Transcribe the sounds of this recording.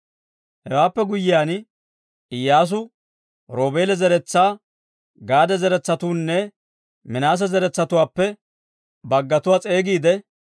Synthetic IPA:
hɛwaːpːɛɡʊjɪjaːn | ɪjːaːs̬ʊ | ɾo̞ːbe̞ːlɛzɛɾɛt͡sːaː | ɡaːd̪ɛzɛɾɛt͡sːɐt̪uːnːɛ | mɪnaːs̬ɛzɛɾɛt͡sːɐt̪ʊwaːpːɛ | bɐɡːɐt̪ʊwaːt͡sʼe̞ːɡiːd̪ɛ

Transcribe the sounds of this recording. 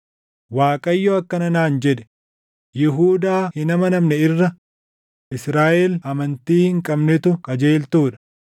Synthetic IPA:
waːkʼɐjːoɐkːɐnɐnaːnd͡ʒɛᶑɛ̥ | jɪɦuːd̪aːhɪnɐmɐnɐmnɛɪrːɐ | ʔɪsɾaːʔelɐmɐnt̪iːhɪŋkʼɐbnɛt̪ʊkʼɐd͡ʒe̞ːlt̪uːᶑɐ̥

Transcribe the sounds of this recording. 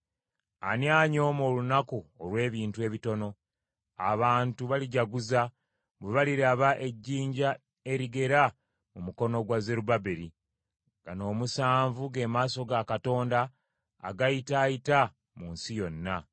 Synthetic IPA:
a̰njaːɲo̞mo̞ːlunakuolwe̞ːβiːntue̞ːβito̞no̞ | a̰βaːntuβaliɟaɡuza | βweβaliɾaβaʔe̞ɟːiːɲɟa | e̞ɾiɡe̞ɾa | mumuko̞no̞ɡwazeɾubabeɾi | ŋɡano̞ːmusaːɱvuɡe̞maːso̞ɡakato̞ːnda̰ː | ɡajitaːjita | muːnsijo̞nːa

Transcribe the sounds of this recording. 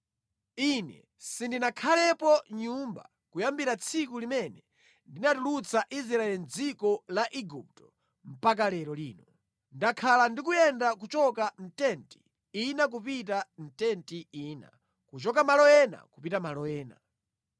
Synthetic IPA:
inɛ̰ | sindinakʰalɛpɔɲumba̰ | kujambiɾat͡sʰikulimɛnɛ | ndinatulut͡sʰaʔis̬ɾaɛlind͡zikɔlaʔiɡup̚tɔ̥ | m̩pak̬alɛɾɔliːnɔ | ndakʰalandik̬ujɛndak̬ut͡ʃɔkan̩tɛnti̥ | inak̬upitan̩tɛntiiːna̰ | kut͡ʃɔkamalɔjɛna̰kupitamalɔjɛːna̰

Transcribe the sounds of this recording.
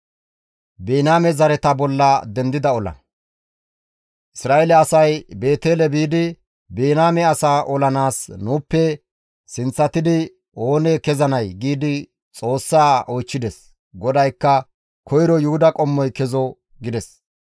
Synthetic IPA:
beːnaːmɛzɐɾɛt̪ɐbɔlːɐd̪ɛnd̪ɪd̪ɐɔlɐ̰ | ʔɪsɾaːʔelɛɐsɐjbe̞ːt̪e̞ːlɛbiːd̪ɪ | beːnaːmɛɐsaːʔɔlɐnaːsnuːpːɛ | sɪnt͡sːɐt̪ɪd̪ɪ | oːnɛkɛzɐnɐjɡiːd̪ɪ | t͡sʼo̞ːsːaːoːjt͡ʃːɪd̪ɛs | ɡɔd̪ɐjkːɐ | kʰɔjɾɔjʊhʊd̪ɐkʼɔmːɔjkɛzɔ | ɡɪd̪ɛs

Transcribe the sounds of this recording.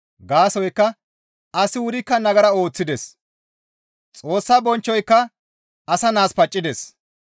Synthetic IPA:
ɡaːsɔjkːɐ | ɐsɪwʊɾɪkːɐnɐɡɐɾɐo̞ːt͡sːɪd̪ɛs | t͡sʼo̞ːsːabɔnt͡ʃːɔjkːɐ | ɐsɐnaːspɐt͡ʃʼːɪd̪ɛs

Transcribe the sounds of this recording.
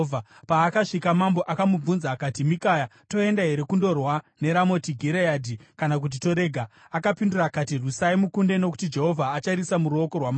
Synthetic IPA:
apaːkaʂikamambo̞ʔakamub͡vunzakatimikaja | to̞endaɦe̞ɾe̞kundo̞rwane̞ɾamo̞tiɡʱiɾejaːdʱikanak̬ut̬ito̞ɾe̞ːɡʱa | akapindurakatirusaimukunde̞no̞ku̥tid͡ʒe̞ɦo̞vʱaːt͡ʃaɾisamuɾuo̞ko̞rwama

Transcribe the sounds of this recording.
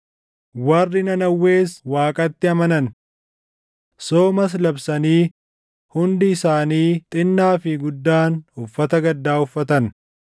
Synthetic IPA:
wɐrːɪnɐnɐwːe̞ːswaːkʼɐt̪ːɪɐmɐnɐn | soːmɐs̬lɐbsɐniː | hʊnd̪ɪɪsaːniːt̪ʼɪnːaːfɪɡʊd̪ːaːnʊfːɐt̪ɐɡɐd̪ːaːʊfːɐt̪ɐn

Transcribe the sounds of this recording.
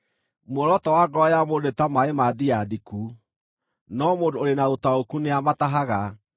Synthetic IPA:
mwɔɾɔtɔwaɡɔjamodetamaemadiadiku | nɔmoːdooɾenaotaokuneamataɦaɣa

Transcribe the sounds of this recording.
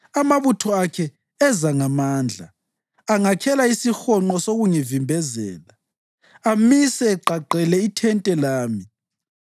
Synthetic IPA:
amaβutʰɔakʰɛ | ɛzaŋamaːnd͡ɮʱa̰ | aŋakʰɛlaisixɔŋ͡ǃɔsoɣuŋivimbʱɛzɛ̰ːla | amisɛːǃaǃɛlɛitʰɛntʼɛlaːmi

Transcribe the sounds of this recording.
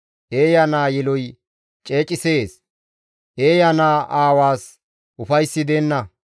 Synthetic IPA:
ʔeːjanaːjɛlɔj | t͡ʃʼe̞ːt͡ʃʼɪse̞ːs | ʔeːjanaːʔaːwaːs | ʔʊfɐjsːɪd̪eːnːɐ

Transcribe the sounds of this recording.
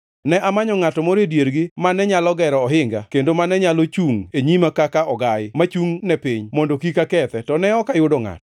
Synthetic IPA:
nɛʔamaɲɔŋatɔmɔɾedjeɾɡɪmanɛɲalɔɡɛɾɔːɦɪŋɡakendomanɛɲalot͡ʃuŋeɲimakakaɔɡajɪmat͡ʃuŋnɛpiɲmɔndokikakɛt̪ɛtɔnɛɔkajʊdɔŋa̰tɔ

